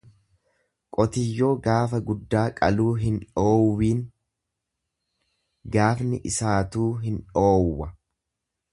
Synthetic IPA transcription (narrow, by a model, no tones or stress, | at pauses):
kʼɔt̪ɪjːo̞ːɡaːfɐɡʊd̪ːaːkʼɐluːɦɪnᶑo̞ːwːiːn | ɡaːfnɪʔɪsaːt̪uːɦɪnᶑo̞ːwːɐ